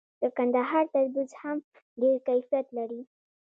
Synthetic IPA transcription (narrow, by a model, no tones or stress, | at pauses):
t̪əɾkand̪aɦɑɾt̪aɾb̪izham | ɖeɾkajfijat̪laɾi